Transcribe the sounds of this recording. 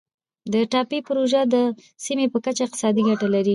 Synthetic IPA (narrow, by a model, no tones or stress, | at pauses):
d̪əʈɑpipʊɾoʒad̪ə | simepəkat͡ʃaɪq̚t̪ɪ̥sɑd̪iɡaʈalaɾi